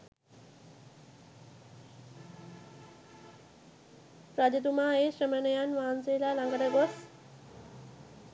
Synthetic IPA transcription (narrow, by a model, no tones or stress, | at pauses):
pɾad͡ʑət̪umaːeʃɾəmənəjanʋaːnseːlaːlaŋɡəɾəɡos